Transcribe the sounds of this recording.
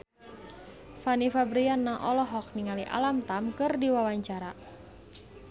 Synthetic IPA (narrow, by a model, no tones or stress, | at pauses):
fanifabɾianːaʔɔlɔɦɔk̚niŋaliʔa̰lamt̪amkɨrdiwawaɲt͡ʃaɾa